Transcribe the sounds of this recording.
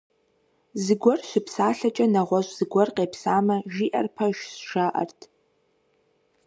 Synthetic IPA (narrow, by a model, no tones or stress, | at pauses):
zɨɡʷɔrɕʷɪpʰsaːɬɐt͡ʃʼɐnɐʁʷɔʒʷz̥ɨɡʷɔrqeːpsaːmɐʒiːʔɐ̰rpʰɐʒsʂaːʔɐ̰rtʰ